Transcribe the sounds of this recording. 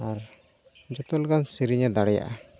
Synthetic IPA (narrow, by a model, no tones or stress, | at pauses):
aɾ | d͡ʒɔt̪ɔlɡansiɾiɲad̪aɽɛja̰ʔa